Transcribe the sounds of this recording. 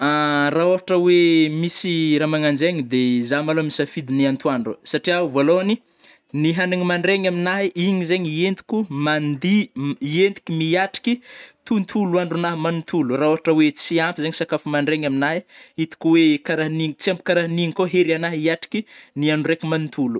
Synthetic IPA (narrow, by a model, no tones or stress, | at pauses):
araoaʈ͡ʂəwemisiɾamaŋand͡ʒeɲid̪ezamaloamisafid̪iniant̪uaɳɖ͡ʐuəsaʈ͡ʂiauvoloani | niɦaniŋimaɳɖ͡ʐeŋaminaɦiʔiɲizeɲient̪i̥kʲumand̪iient̪i̥kimiaʈ͡ʂi̥kit̪unt̪ʰuluaɳɖ͡ʐunaɦmanit̪ʰuluraoɦaʈ͡ʂəwet͡siampizeŋɲisakafumaɳɖ͡ʐeŋaminaɦiit̪u̥kuwekaɾaɦiniŋit͡siambi̥kaɾaɦiniŋikoɦeɾanaɦiaʈ͡ʂi̥kʲinianurekumanit̪ʰulu